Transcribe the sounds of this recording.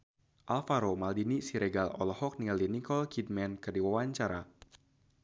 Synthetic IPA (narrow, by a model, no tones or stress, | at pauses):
ʔalfaɾomaldinisiɾɛɡalɔ̰lɔhɔk̚niŋalinikɔlkid̚mɛnkɨrdiwawaɲt͡ʃaɾa